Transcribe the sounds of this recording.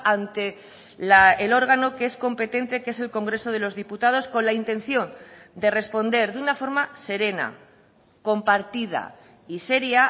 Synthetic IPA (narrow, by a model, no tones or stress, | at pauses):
ant̪e̞ | laelo̞ɾɣ̞ano̞kee̞sko̞mpe̞t̪e̞nt̪e̞ke̞s̬e̞lko̞ŋɡɾe̞so̞ð̞e̞lo̞zðiput̪að̞o̞sko̞nlaint̪ẽ̞nθjo̞nd̪e̞re̞spo̞nd̪e̞ɾðunafo̞ɾmase̞ɾe̞na̰ | ko̞mpaɾt̪ið̞a̰ | ise̞ɾja